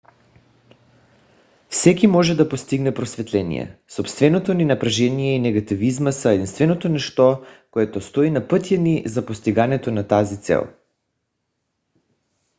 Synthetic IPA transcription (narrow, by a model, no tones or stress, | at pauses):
fsɛkimɔʒɛd̪apost̪iɡnɛpɾosvɛt̪lɛnḭjɛ̰sopst̪vɛnot̪oninapɾaʒɛnijɛinɛɡat̪ivizmasaed̪inst̪vɛnot̪onɛʃt̪ɔkoɛt̪ost̪oinapət̪janizapost̪iɡanɛt̪onat̪azit̪sɛ̰lˠ